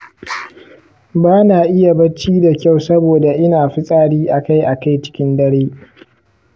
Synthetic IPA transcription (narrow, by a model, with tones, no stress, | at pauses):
baː˦naː˨ʔɪ˦ja˨bɐ˦t͡ʃːiː˦da˨kʲa˦˨wsɐ˦boː˨da˨ʔɪ˦naː˨ɸɪ˦sʼaː˦ɽiː˦ʔa˨ka˦˨jʔa˨ka˦˨jt͡ʃɪ̥˦kʲɪ˦ndɐ˦ɽeː˦